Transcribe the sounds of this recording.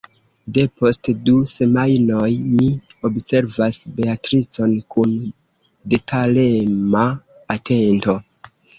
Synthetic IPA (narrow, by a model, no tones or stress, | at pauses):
de̞po̞stduse̞majno̞jmio̞bse̞ɾvasbe̞atɾit͡so̞nkun | detʰalemaː | tʰe̞nto̞